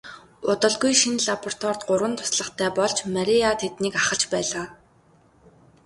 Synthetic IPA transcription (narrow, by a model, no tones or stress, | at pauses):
ʊt̪ə̆ɮɡujʃinɮapɔr̥t̪wɔrt̪ɢʊɾwə̆nt̪ʰʊ̥sɮə̆χt̪ʰæːpɔɮt͡ɕmaɾʲiat̪ʰet̪niːkaχə̆ɬt͡ɕpæːɮaː